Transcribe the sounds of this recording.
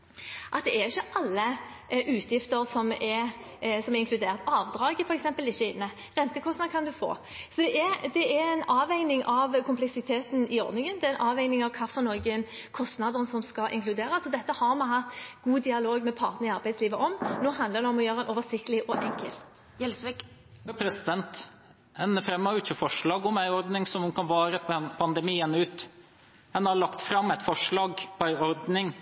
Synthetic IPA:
ʔɑt̪̚d̪ɛɛʁɪçːəʔɑlːəʔʉːt̪ʰjɪft̪əʁsɔmɛsɔmɛɪŋkʰlʉd̪eːʁt̪ɑːʋd̪ɾɑːɡəfɔɾɛksɛmpəlɪçːəɪnːə | ʁɛnt̪əkʰɔst̪nɑd̪əkʰɑnd̪ʉfo̰ːsɔd̪ɛɛd̪ɛɛɛɪnɑːʋæɪnɪŋʔɑʋkʰʊmplɛksɪt̪ʰeːt̪n̩ɪɔ̰ɾd̪nɪŋənd̪ɛæɪnʔɑːʋæɪnɪŋɑʋkʰɑːfɔnɔɡənkʰɔst̪nɑd̪əʁənsɔmskɑʔɪ̰ŋklʉd̪eːɾəsɔd̪ɛt̪ːəhɑʁmɑɦɑt̪ːɡ̥uːd̪ɪɑloːɡmɛpʰɑ̰ʁt̪nəʁɪɑɾʁbæɪdsliːʋəʔɔmnoːɦɑnd̪ləʁd̪ɛɔmɔjøːʁəæɛnoːʋəsɪkt̪əlɪʔɔʔɛŋkə̰lt̪ | ɛlsɪ | pʰɾɛsɪd̪ɛnt̪ | ɛnəfɾɛmːəɾʊɪçːəfɔʂɭɑːɡɔmæɪɔɾd̪nɪŋsɔmʉnkɑnʋɑːɾəpʰɑnd̪ɛmiːənʉːt̪ | ɛnɑɭɑkt̪fɾɑmːɛt̪fɔʂɭɑːɡpʰɔæɪɔɾd̪nɪŋ

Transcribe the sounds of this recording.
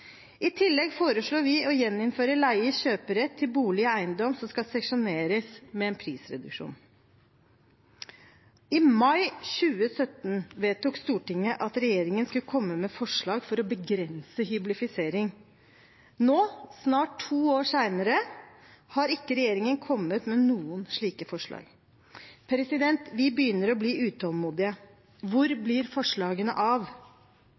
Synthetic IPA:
ɪt̪ʰɪlːɛɡfoːɾəʂɭuːʋɪɔjɛnːɪnføːɾəlæɪəɕøːpəɾɛt̪ʰːɪlbuːlɪəæɪənd̪ɔmsɔmskɑsɛʂʊneːɾəsmɛɛːnpʰɾiːsɾɛ̰d̪ʉ̰kʂṵːn | ɪmɑɪɕʉːəsœt̪n̩ʋeːt̪uːkst̪uːʈɪŋːəʔɑt̪ɾɛjeːɾɪŋənskʉlkʰɔmːəmɛfɔʂɭɑːɡfɔɾɔbəɡɾɛnsəɦʏblɪfɪseːɾɪŋ | noːsnɑːʈtʰːuːoːʂæɪnəɾə | hɑɾɪkːəɾɛjeːɾɪŋənkʰɔmːət̪mɛnuːənʂɭiːkəfɔʂɭɑ̰ːɡ̥ | pʰɾɛsɪd̪ɛnt̪ʋɪbəjʏnːəɾɔbliːʉːt̪ʰɑlmuːd̪ɪə | ʋʊɾblɪɾfɔʂɭɑːɡənə̰ʔɑʋ

